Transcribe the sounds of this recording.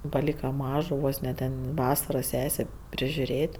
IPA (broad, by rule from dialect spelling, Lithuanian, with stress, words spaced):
pɐˈlʲiːkɐ ˈmɑːʒoː ˈʋoːs nʲɛ ˈtʲɛn ˈʋɑːsɐrɐ ˈsʲæːsʲeː pʲrʲɪʒʲʊˈrʲeːtʲ